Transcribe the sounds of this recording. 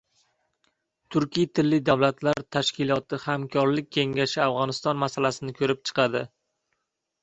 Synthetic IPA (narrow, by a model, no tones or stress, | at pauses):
t̪ʰʊɾkʲijt̪ʰɪlːɪd̪awlat̪laɾt̪ʰaʃkʲɪlˠɒt̪ʰɪhamkʲʰɒɾlɪk̚ʲʰːe̞ŋʲaʃɪavʁɒnɪst̪ɒnmasalasɪnɪkʲʰɵɾɪp̚t͡ʃʰɨ̥qʰɑd̪ɪ